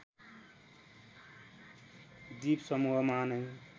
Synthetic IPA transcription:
d̪iːpsʌmuɦʌmaːnəj

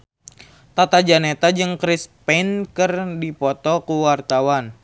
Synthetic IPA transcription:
t̪at̪ad͡ʒanet̪ad͡ʒɨŋkɾispɛnkɨrdipɔt̪ɔkuwart̪awan

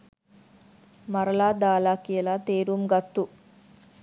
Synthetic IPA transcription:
mɐɾəlaːd̪aːlaːkijəlat̪eːɾumɡɐt̪ːu

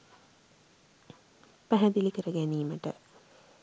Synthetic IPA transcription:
pæɦæd̪ilikəɾəɡæniːməʈə̰

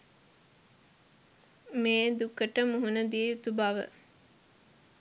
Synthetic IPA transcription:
meːd̪ukəʈəmuɦunəd̪ieut̪ubaʋə̰

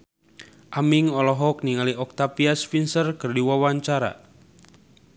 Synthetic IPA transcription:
ʔamiŋɔlɔɦɔk̚niŋaliɔk̚t̪apiasfinsərkɨrdiwawaɲt͡ʃaɾa̰

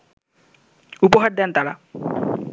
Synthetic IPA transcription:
upoɦaɾd̪ɛnt̪aɾa

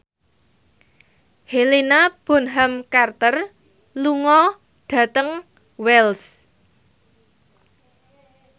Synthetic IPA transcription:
helenab̥ɔ̤nɦamkart̪ər | luŋɔ | ɖ̥a̤t̪əŋ | wɛls

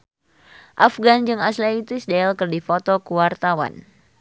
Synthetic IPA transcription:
ʔafɡand͡ʒɨŋaslait̪isdaalkɨrdifɔt̪ɔkuwart̪awa̰n

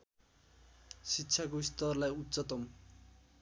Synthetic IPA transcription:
sitːɕʰakoist̪ʌrlajutːsʌt̪ʌm

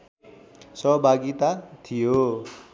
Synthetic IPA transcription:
sʌɦbʱaɡit̪at̪ʰijo

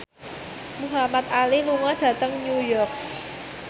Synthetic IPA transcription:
muɦamat̪̚aliluŋaɖ̥ä̤t̪əŋnujɔrk̚

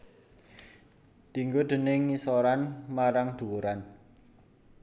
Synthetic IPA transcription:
d̪̥iŋɡod̪̥ə̤nɪŋːisɔɾanmaɾaŋd̪̥ṳwuɾan

